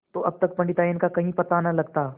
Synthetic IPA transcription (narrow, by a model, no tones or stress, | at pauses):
t̪oʔɐb̚t̪ək̚pəɳɖɪt̪aɪnkakɐɦĩpɐt̪anəlɐɡt̪a